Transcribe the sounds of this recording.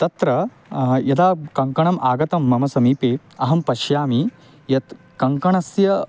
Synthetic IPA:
t̪ɐt̪ɾɐ | jɐd̪aːkɐŋkɐɳɐmʔaːɡɐt̪ɐmːɐmɐsɐmiːpeː | ɐɦɐmpɐʃjaːmi | jɐt̪ | kɐŋkɐɳɐsjɐ

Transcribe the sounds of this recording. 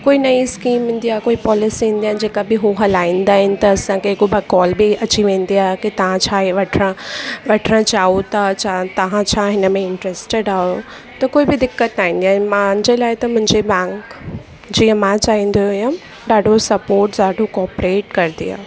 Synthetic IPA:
koːinɐiskiːmɦɪ̃n̆d̪iaːɦekoːipɔːlɪsiɦĩːnd̪iaːɪd͡ʑeːkabɪɦuɦɐlaːĩːnd̪aːɦɪnɪ̆t̪ɐːsãkeɦkobʱɐkɔːlbiɐt͡ɕiʋẽːn̆d̪iaːɦekit̪ɐʋ̤ãt͡ɕʰaːeʋɐʈʰɾə̃ʋɐʈʰəɽə̃t͡ɕaːɦot̪at͡ɕʰaːt̪ɐʋ̤ãt͡ɕʰaːɦɪnəmẽɪ̃ɳʈɾeːsʈeɖaːɦo | t̪ɐkoːibɪd̪ɪkːət̪aːĩːn̆d̪iaːɦɪnmãnd͡ʑelaːɪt̪ɐmʊ̃ɦɪ̃ɲd͡ʑebɛ̃ːŋk | d͡ʑiːə̃mãt͡ɕaːɦĩn̆d̪ojã | ɖaːɖʱosɐpoːɾʈɗaːɖʱokɔːpɾeːʈkɐɾt̪ḭa̰ː

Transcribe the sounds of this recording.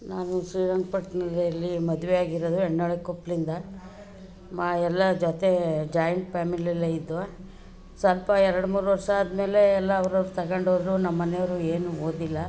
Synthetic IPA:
naːnusɾiːɾɐŋɡ̚pɐʈnɐlɐlːimɐd̪uʋɛjaːɡiɾod̪uɛɳːɐɭekopːlind̪ɐ | maːɛlːɐd͡ʒɔt̪e̞d͡ʒaːjɐɳʈpʰaːmiliɐlːeid̪ːuʋa | sɐlpɐɛɾɐɽumuːɾuʋɐɾʂaːd̪ɐme̞ːle̞ːlːɐːʋɐɾɐɾut̪ɐɡɐɳɖoːd̪ɾunɐmːɐnejɐʋɾueːnuoːd̪ilːɐ

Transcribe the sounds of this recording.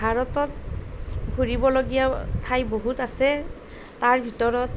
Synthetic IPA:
bʱaɹɔtɔt̚ | ɡʱuɹibɔloɡijatʰajboɦutasɛ | taɹbʱitɔɹɔt

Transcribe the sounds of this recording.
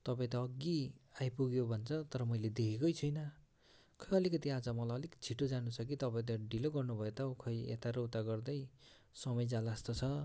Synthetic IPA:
t̪ʌpãĩt̪ʌːɡːiajpuɡjobʱʌnt͡sʰʌt̪ʌɾʌmʌjled̪ekʰekʌjt͡sʰʌjnʌ | kʰʌjʌlikʌt̪iad͡zʌmʌlajʌlikt͡sʰiʈːod͡zanut͡sʰʌk̬it̪ʌpãĩt̪̬ʌɖiloɡʌrnubʱʌet̪ʌukʰʌjḛt̪aɾowt̪aɡʌrd̪ʌj | sʌmʌjd͡zalast̪ot͡sʰʌ

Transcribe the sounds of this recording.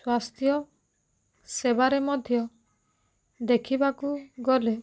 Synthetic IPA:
swast̪ʰjɔ | sebaɾemɔd̪ʱjɔ | d̪ekʰibakuɡɔle

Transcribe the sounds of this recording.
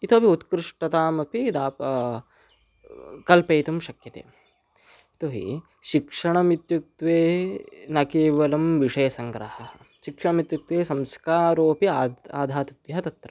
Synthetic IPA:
it̪oːpiut̪kɾɪʂʈɐt̪aːmɐpid̪aːpɐ | kɐlpeːt̪ɐmʃɐkjɐt̪ḛː | it̪oɦḭ | ʃikʂɐɳɐmit̪juk̚t̪ʋeːnɐkeːʋɐlɐmʋiʂɐjɐsɐŋɡɾɐhɐɐ | ʃikʂɐɳɐmit̪juk̚t̪ʋeːsɐmskaːɾoːɐpiaːd̪ʱaːt̪ɐʋjɐɐt̪ɐt̪ɾɐ

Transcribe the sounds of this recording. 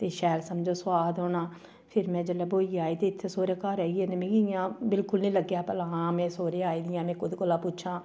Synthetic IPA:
t̪eːʃɛːlsəmd͡ʒoːswaːd̪ɦoːnãː | pʰɪɾmɛ̃ːd͡ʒələboːiːaːiːt̪eːɪt̪ʰːesoːɾeːkaːɾɛːɡɛ̃ːnemẽːɡɪɪjãːbɪlkʊlnĩːləɡːjaːpəlaːãːmɛ̃ːsoːɾeːaːiːd̪ɪjãːmɛ̃ːkʊd̪kolaːpʊt͡ʃʰãː

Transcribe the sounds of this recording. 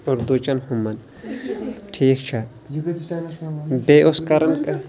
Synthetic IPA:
oɾd̪ut͡ʃɐnhumːɐn | ʈʰiːk̚t͡ʃʰa | beʔoskɐɾɐnk

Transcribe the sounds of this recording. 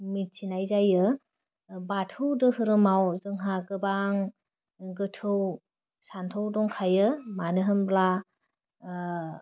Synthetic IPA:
mit̚t͡ʃinajzajɯ | batʰɯwdɯhɯɾɯmawzɯŋɦakɯbaŋ | ɡɯtʰɯw | santʰɯwdɔŋkʰajɯmanɯɦɯnbla

